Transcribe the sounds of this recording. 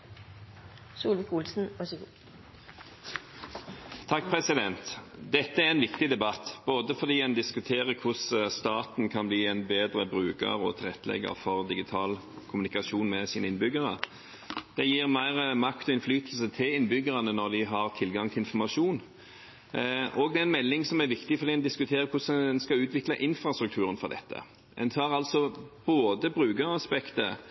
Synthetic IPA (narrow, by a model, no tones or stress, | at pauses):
suːlʋɪkʊlsn̩ʋɑsəɡu | t̪ʰːɑk̚ːpʰʁɛsɪd̪ɛnt̪d̪ɛt̪ːəæʁɛnʋɪkt̪ɪd̪ɛbɑt̪b̥oːd̪əfɔʁd̪iːɛnd̪ɪskʉt̪ʰeːʁəkʰʊsst̪ɑːt̪n̩kʰɑnbliːɛnbeːd̪ʁəbʁʉːkə̰ʁɔ̰t̪ʰɪlʁɛt̪ːlɛ̰ɡə̰ʁfɔʁd̪ɪɡɪt̪ʰɑːl | kʰʊmʉnɪkɑʃuːnmɛsiːnəɪnbʏɡəʁə | d̪̥ɛjiːʁmæɪɾəmɑkt̪ɔɪnflyːt̪l̩sət̪ʰɪlɪnːbʏɡəʁɑnənɔʁd̪ɪɦɑʁt̪ʰɪlɡɑŋt̪ʰɪlɪnfɔmɑʂuːn | ʔɔɡd̪ɛɛnmɛlːɪŋsɔmæɾʋɪkt̪ɪfɔɾd̪iːɛnd̪ɪskʉt̪ʰeːɾəkʰʊsnskɑʉːt̪ʋɪklɑʔɪnfɾʁɑst̪ɾʉk̚t̪ʰʉːɾənfɔʁd̪ɛ̰t̪ːə̰ | ɛ̰nt̪ʰɑːɾɑlsɔb̥oːd̪əbʁʉːɡəɾɑspɛkt̪ə